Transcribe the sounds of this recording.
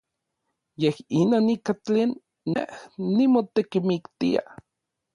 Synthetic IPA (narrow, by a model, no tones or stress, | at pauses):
jehinoːnikat͡ɬeːnː | ehnːimot̪ekimikt̪ia̰